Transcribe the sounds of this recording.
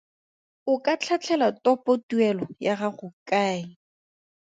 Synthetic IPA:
ʊkat͡ɬʰat͡ɬʰɛlatɔpotuɛlɔjaχaχʊkaː

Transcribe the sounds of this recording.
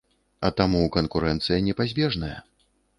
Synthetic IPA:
ɐt̪amukɐnkuɾɛnt̪sɨjɐnʲɛpazʲbʲɛʐnɐjɐ̰

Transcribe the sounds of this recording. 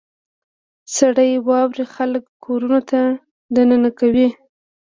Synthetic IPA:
saɽəjwɑwɾixaləkːʰoɾunot̪a | d̪anənakawi

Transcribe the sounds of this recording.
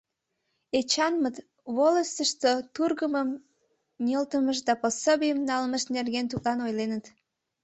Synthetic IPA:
et͡ɕɑnmət̪ | βoləst̪əʃt̪ot̪urɣəməm | nʲəlt̪əməʃd̪ɑposobijəmnɑlməʃnerɣent̪uklɑnojlenət̪

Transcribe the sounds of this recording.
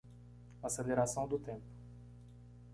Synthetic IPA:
ɐsed̪eɾasɐ̃w̃d̪ʊt̪ẽmpʊ̥

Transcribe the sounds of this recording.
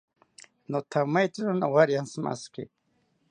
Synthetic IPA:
not̪ʰamajt̪iɾʊnawaɾjansma̰skḭ

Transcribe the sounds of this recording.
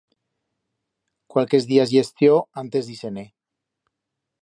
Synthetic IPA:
kwalkezðiazʝest̪joant̪e̞zðisene

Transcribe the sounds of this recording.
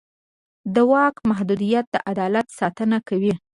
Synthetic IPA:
d̪əwɑkmaɦd̪ud̪ijat̪̚d̪əʔad̪ɑlat̪sɑt̪ənakawi

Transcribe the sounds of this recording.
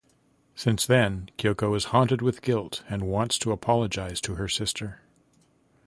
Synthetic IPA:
sɪ̃nsðɨ̃nkʰjoʊkoʊɨz̥hɑ̃ntɨd̚wɨðɡɪlˠtɨ̃nwɑ̃ntstʰəəpʰɑlˠəd͡ʒaɪz̥tʰɨə˞sɪstʰə˞

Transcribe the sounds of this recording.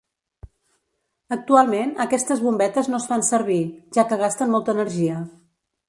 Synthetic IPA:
ək̚t̪ualˠmenəkɛst̪əzβumbɛt̪əznosfansəɾβiʒ̥akəɣ̞ast̪ənmɔlˠt̪əːnəɾʒiə

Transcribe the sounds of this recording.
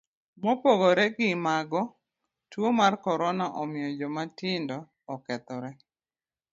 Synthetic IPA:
mɔpoɡɔɾɛɡɪmaɡɔ | twomarkɔɾɔnaʔɔmɪjɔd͡ʒɔmatɪndɔː | kɛt̪ɔɾɛ

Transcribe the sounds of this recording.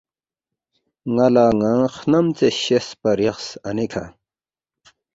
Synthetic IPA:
ŋɐlaːŋãxnɐmt͡seɕespɐɾjɐχsɐnikʰa̰

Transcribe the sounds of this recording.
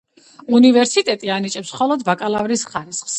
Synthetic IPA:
univɛɾsit̪ʼɛt̪ʼianit͡ʃʼɛpsχɔlˠɔd̪vakʼalˠavɾisχaɾisχs

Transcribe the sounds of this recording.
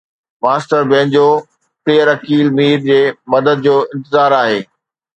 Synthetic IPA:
maːsʈəɾbẽːnd͡ʑoː | kliːəɾɐkiːlmiːɾd͡ʑeːmɐd̪əd̪̚d͡ʑoːɪ̃nt̪ɪzaːɾaːɦeː

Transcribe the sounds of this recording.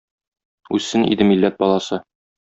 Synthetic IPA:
ʉsːɘnḭd̪ɘmilːæt̪̚bɒlˠɑsɤ

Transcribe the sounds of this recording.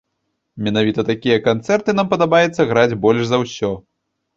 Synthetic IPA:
mʲɛnavʲit̪ɐt̪akʲijɐkant̪sɛrt̪ɨnampɐd̪abajɛt̪sːɐɣɾad͡zʲbɔlʲʂzɐwsʲɔ

